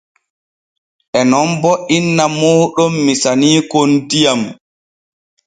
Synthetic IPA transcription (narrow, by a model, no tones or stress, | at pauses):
ʔɛnɔmbɔʔinːamɔːɗɔmːisaniːkontijam